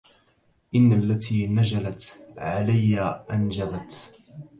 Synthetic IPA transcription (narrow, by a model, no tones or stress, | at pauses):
ʔɪnːalːat̪ʰiːnad͡ʒalat̪ʕalajːaʔand͡ʒabat̪